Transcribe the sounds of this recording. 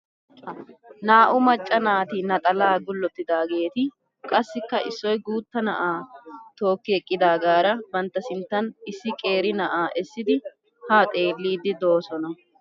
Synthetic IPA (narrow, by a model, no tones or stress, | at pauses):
naːʔʊmɐt͡ʃʼːɐnaːt̪ɪnɐt̪ʼɐlaːɡʊlːɔt̪ːɪd̪aːɡe̞ːt̪ɪ | kʼɐsːɪkːɐʔɪsːɔjɡuːt̪ːɐnɐ̰ʔaːt̪o̞ːkːɪɛkʼːɪd̪aːɡaːɾɐbɐnt̪ːɐsɪnt̪ːɐnɪsːɪkʼe̞ːɾɪnɐʔaːʔɛsːɪd̪ɪ | haːt̪ʼeːlːiːd̪ɪd̪o̞ːsɔnɐ